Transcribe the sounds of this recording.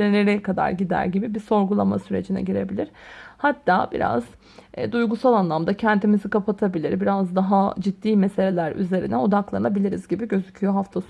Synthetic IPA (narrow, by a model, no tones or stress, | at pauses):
eneɾɛkad̪a̰ɾɟid̪æ̰ɾɟibibiso̞ɾɡulˠa̰ma̰syɾed͡ʒinɛ̰ɟiɾe̞bilʲiɾ̥hat̪ʰːaːbḭɾa̰z̥ | d̪ujɡusalˠanlˠamd̪acʰɛnt̪ʰimizikapʰat̪ʰabilʲiɾbiɾazd̪aɦad͡ʒid̪ːiːmese̞lʲelʲæɾy̰ze̞ɾḭnɛo̞d̪aklˠaɾɯnabilʲiɾizɟibiɟøzycʰyjoɦaft̪ʰas